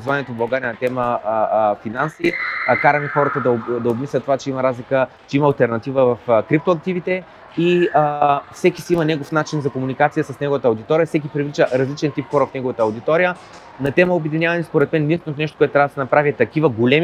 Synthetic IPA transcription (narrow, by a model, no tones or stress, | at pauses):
zvaniɛt̪ovbɐlˠɡaɾʲiənɐt̪ɛmə | finansikaɾəmixɔɾət̪əd̪ɐd̪ɐobmislʲɐt̪ːovat͡ʃɛimɐɾazlikət͡ʃɛimɐːlˠt̪ɛɾnɐt̪ivəvɐfkɾipt̪oɐk̚t̪ivit̪ɛ | iəfsɛkisiimənɛɡofnat͡ʃinzɐkomunikat̪sijəsɐsnɛɡovət̪əɐʊd̪it̪ɔɾijəfsɛk̬ipɾivlit͡ʃəɾɐzlit͡ʃɛnt̪ipxɔɾəfnɛɡovət̪əːɐʊd̪it̪ɔɾijə | nɐt̪ɛməobɛd̪inʲavɐnɛspoɾɛt̪mɛnːist̪not̪nɛʃ̬t̪okoɛt̪t̪ːɾavd̪sɛnɐpɾavit̪ɐkivəɡolʲɛmi